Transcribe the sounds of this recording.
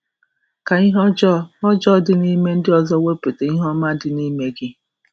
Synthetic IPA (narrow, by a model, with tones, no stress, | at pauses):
ka˨i˦ɦɔ˦d͡ʒɔ˦ɔ˦d͡ʒɔ˦˨dɪ˦ni˦me˦n̩˦dɪ˦ɔ˨zɔ˦we˦pe˨te˨i˦ɦɔ˦ma˦dɪ˨ni˦me˦ɡɪ˦